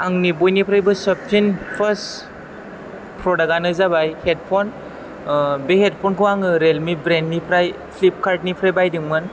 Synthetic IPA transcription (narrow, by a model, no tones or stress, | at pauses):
aŋnibɔjnipʰɾajbɯsɔp̚tʰinpʰəs | pɾɔdaɡanɯzabajhet̚pʰɔn | behet̚pʰɔnkʰɯwaŋɯɾelmibɾenːipʰɾajpʰlip̚kʰaɾt̚nipʰɾajbajdɯŋmɯn